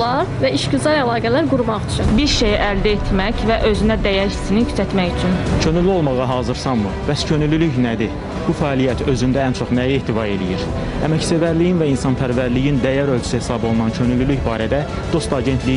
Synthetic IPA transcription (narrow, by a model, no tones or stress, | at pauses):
lˠɑɾvæiʃɟyzɑɾælˠɑːɡælæɾɡuɾmɑyt͡ʃʰynbiɾʃejiʔæld̪æet̪ʰmæçvæʔø̞zynæd̪æjæɾʃi̥sinicʰy̥sæt̪mæçyt͡ʃʰyncʰønyliolˠmɑʁɑɦɑːzɯɾsɑnmɯb̥æscʰønylylyçnæd̪i | b̥ufæːlˠijæt̪ʰø̞zynd̪æænt͡ʃʰo̞χnæjehd̪ivɑe̞lḭjiɾ | æmæcsevæɾlijinvæinsɑnpʰæɾvæɾlijind̪æjæɾøld͡ʒʰy̥sihesɑbo̞lˠunɑncʰønylylyçbɑːɾæd̪æ | d̪̥o̞st̪ɑɟe̞nt̪ʰli